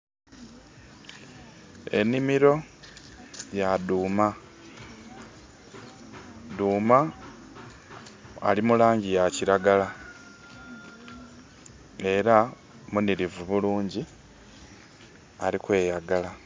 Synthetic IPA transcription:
e̞̰nimiɾo̞ | jaduːma | duːma | limulaːɲɟijaciɾaɡala | e̞ɾa | muniɾivuβuluːɲɟi | a̰ɾikwe̞ːjaɡala

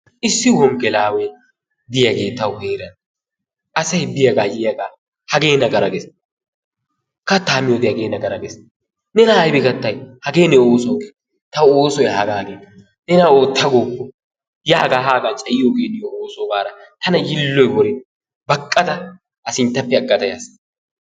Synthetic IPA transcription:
ɪsːɪhɔmɡɛlaːwe | b̪ɪjɐɡeːt̪ːɐwheːɾɐn | ɐsɐjbɪjɐɡaːjɪjɐɡaː | hɐɡe̞ːnɐɡɐɾɐɡɛs | kɐt̪ːaːmɪjɔd̪ɪjɐɡeːnɐɡɐɾɐɡes | nɛnɐːjbɪɡɐt̪ːɐjhɐɡeːnɛoːsɔːɡeː | t̪ɐwoːsɔjhɐɡaːɡeːt̪ːɐ | nɛnɐoːt̪ːɐɡoːpːɔ | jaːɡaːɦaːɡaːt͡ʃʼɐjɪjoɡeːnɪjɔoːsɔbaːɾɐt̪ɐnɐjɪlːɔjwɔɾɛ | bɐkʼːɐt̪ɐː | sɪnt̪ːɐpːɛɐɡːɐt̪ɐja̰sɐ

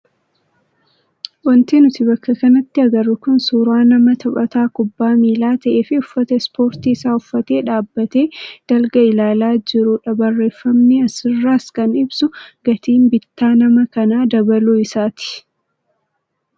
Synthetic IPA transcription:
wɐnt̪eːnʊt̪ɪbɐkːɐkɐnɐt̪ːɪɐɡɐrːʊkʊnsuːɾaːnɐmɐt̪ʰɐpʼɐt̪aːkʊbːaːmiːlaːt̪ɐʔe̞ːfɪʊfːɐt̪ɐɪspo̞ːɾt̪iɪsaːʊfːɐt̪e̞ːᶑaːbːɐt̪e̞ːd̪̥ɐlɡɐɪlaːlaːd͡ʒɪɾʊᶑɐbɐrːe̞ːfːɐmnɪɐsɪrːaːskɐnɪbsʊɡ̥ɐt̪ʰiːmbɪt̪ːaːnɐmɐkɐnaːd̪ɐbɐluːɪsaːt̪ɪ̥

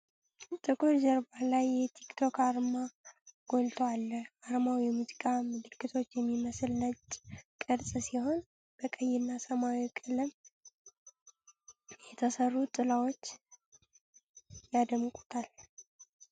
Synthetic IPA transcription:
t̪ʼɨkʼoɾd͡ʒəɾbalajːɛt̪ʰikt̪ʰo̞kʰaɾmaɡ̥o̞lt̪ʰəwalːəaɾmawjɛmuzikʼamɨlɨkːɨt̪ʰo̞t͡ʃːjɛmːiməslnət͡ʃʼkʼɨɾsʼsiho̞n | b̥əkʼəjːɪnːasəmawikʼɨlɨm | jɛt̪ʰəsərːut̪ʼɨlawot͡ʃː | jad̪əmkʼut̪ʰal

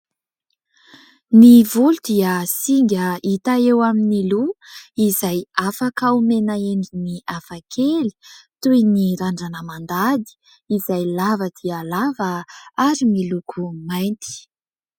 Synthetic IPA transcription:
nivulud̪̥iəsiŋɡʲəit̪aewaminiluizajafakaumenaeɳɖ͡ʐiniafakʰeli̥t̪ujniɾaɳɖ͡ʐanəmand̪ad̪i̥ | izajlavəd̪̥iəlavəaɾimilukʰumajnt̪i̥

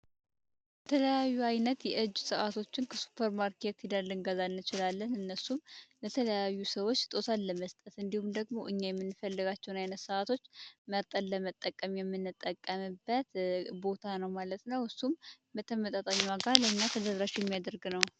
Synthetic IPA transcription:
bət̪ʰələjajːuajnət̪jɛʔɨd͡ʒːsɨʔat̪ʰo̞t͡ʃːɪnkʰəsu̥pʰːəɾmaɾkʰe̞t̪ɪd̪əlːɨnɡəzanːɨt͡ʃɪlalːənɨnːəsumlət̪ʰələjajːusəwot͡ʃːt̪ʼo̞sanləməst̪ʼət̪ɨnd̪ihumd̪əɡmo̞ʔɨɲːajɛmːɨnːɨfəlːɨɡat͡ʃːɛwnajnət̪sɨʔat̪ʰo̞t͡ʃːməɾt̪ʼənləmət̪ʼːəkʼːəmjɛmːɨnːɨt̪ʼːəkʼːəmɨbːət̪bo̞t̪ʰanəwmalət̪nəwhɨsum | bət̪ʰːəmət̪ʼat̪ʼaɲːwaɡaləɨɲːat̪ʰəd̪əɾɾat͡ʃːjɛmːijad̪əɾɡnəw

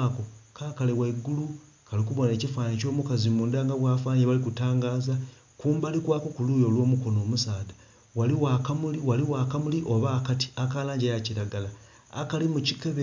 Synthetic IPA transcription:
kokaːkaleweɡulu | kalikuβo̞ne̞ːcifaːnico̞ːmukazimuːndaːŋɡaβwaːfaːneβalikutaːŋɡaːza | kuːmbalikwaːko̞kuluːjo̞ːlwo̞ːmuko̞no̞ːmusaːda | waliwakamuliwaliwaːkamuliʔo̞βaːkati̥akaːlaːɲɟajaciɾaɡala | a̰kalimucikeβe

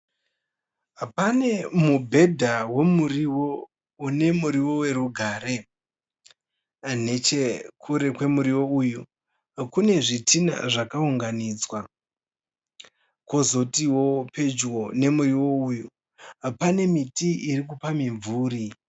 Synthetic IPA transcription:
apane̞mubʱe̞dʱawe̞muriwo | une̞muɾiwo̞we̞ɾuɡʱaːɾe̞ | ne̞t͡ʃekʰuɾe̞kwe̞muɾiwo̞uːju | kune̞ʐitina̰ʐakauŋɡanid͡zwa | ko̞zo̞tiwo̞pe̞d͡ʒwone̞muriwo̞uju | apane̞mitiiɾik̬upamiɱvuːɾi

